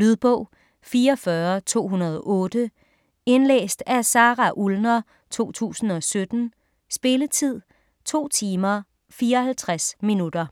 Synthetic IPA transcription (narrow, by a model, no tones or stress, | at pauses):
lyð̞ˠb̥ɔ̽ʊ̰ | fiːɐɒfɶɐt͡sʰo̝̰ːɦunɐð̞ˠɒʔɔ̽ːd̥ə | e̝nlḛːsd̥æsɑ̈ːʁɑʔulnɐ | t͡sʰo̝̰ːt͡sʰṵːsn̩ɒ̽sød̥n̩ | sb̥e̝lət͡sʰið̞̰ˠ | t͡sʰo̝̰ːt͡sʰiːmɐ | fiːɐɒhælt͡sʰʁasminud̥ɐ